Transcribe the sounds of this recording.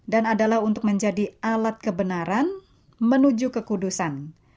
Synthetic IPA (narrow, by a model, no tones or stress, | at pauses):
danadalahunt̪ʊk̚məɲd͡ʒadialat̪̚kəbənaɾan | mənud͡ʒukəkudusan